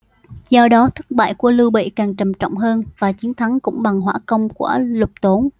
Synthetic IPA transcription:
zɔ˧ɗɔ˨˦t̪ʰɨ˦˥k̚ɓa̰ː˧˨jku˧˩əlɨ˧wɓḛ˧˨kaː˨˩ŋt͡ɕə˨˩mt͡ɕɔ̰˧˨wŋ͡mɦəː˧nvaː˨˩t͡ɕi˨˦ənt̪ʰa˨˦ŋkʊ̰˧˥ŋ͡mɓa˨˩ŋɦwaː˧˥˩kə˧wŋ͡mku˧˩əlʊ˨˩k͡p̚t̪o˨˦n

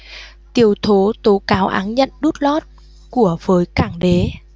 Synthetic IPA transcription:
t̪i˨˩əwt̪ʰo˨˦t̪o˨˦kaː˨˦wʔa̰ː˨˦nɲə̰˧˨nɗu˦˥t̚lɔ˦˥t̚ | ku˧˩əv̥əː˨˦jkaː˧˩ŋɗe˨˦

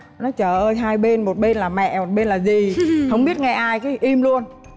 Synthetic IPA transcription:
nɔ˨˦t͡ɕəː˧˩ʔəː˧jɦaː˧jɓe˧nmo˨˩t̚ɓe˧nlaː˨˩mɛ̰˧˨mo˨˩t̚ɓe˧nlaː˨˩zi˨˩hə˧wŋ͡mɓi˦˥ət̚ŋɛ˧ʔaː˧jkaː˨˦ʔi˧mlu˧ən

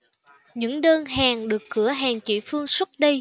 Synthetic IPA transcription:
ɲɨ̰˧˥ŋɗəː˧nɦaː˨˩ŋɗɨ˨˩əkːɨ˧˩əɦɛː˨˩ŋt͡ɕḭ˧˨fɨ˧əŋswə˦˥t̚ɗə˧

